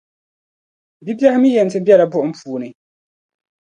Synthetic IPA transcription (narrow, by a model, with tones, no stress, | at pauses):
di˦bi˦ɛ˦hɪ˦mi˦jɛ˨n˨tɪ˦bɛ˦la˨bʊ˦ʔm̩˦pʰuː˨nɪ˨